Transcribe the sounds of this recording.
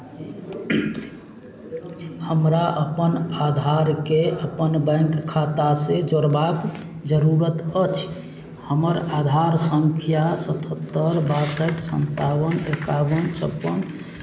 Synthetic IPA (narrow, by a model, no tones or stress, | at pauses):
həmɾaʔəpənad̪ʱaɾkeəpənbə̃ŋkkʰːat̪ased͡ʒoɽbak | d͡ʒəɾuɾət̪ət͡ʃʰ | həməɾad̪ʱaɾsəŋkʰjasət̪ʰət̪ːəɾbasəʈsə̰nt̪awənekawənt͡ʃʰəpːən